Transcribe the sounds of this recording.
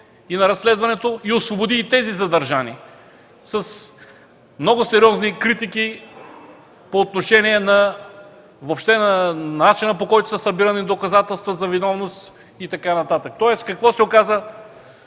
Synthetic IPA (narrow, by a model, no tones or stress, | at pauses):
inɐɾɐsːlɛd̪vɐnɛt̪oiosvobod̪it̪ɛzizɐd̪ɐɾʒani | sɐs | mnɔɡʊsɛɾʲiɔznikɾit̪iki | poːt̪̚noʃɛnʲiɛnɐ | vopʃt̪ɛnɐnat͡ʃinəpokɔjt̪o̥səsɐbiɾɐnid̪okɐzat̪ɛlˠst̪vəzɐvinɔvnost̪ | it̪ɐkanɐt̪at̪ək̚t̪ɔɛskɐkvɔsɛokazə